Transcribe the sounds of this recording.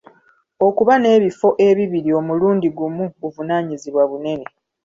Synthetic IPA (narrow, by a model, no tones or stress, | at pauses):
o̞kuβane̞ːβifo̞ʔe̞βiβiɾio̞muluːndiɡumuβuvunaːɲiziβwaβune̞ne̞